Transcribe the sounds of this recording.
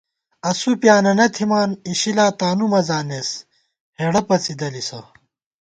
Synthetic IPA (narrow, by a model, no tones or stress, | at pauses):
ɐsupjaːnɐnɐt̪ʰimaːniɕilaːt̪aːnumɐzaːneːs | heːɽɐpɐt͡sid̪ɐlisɐ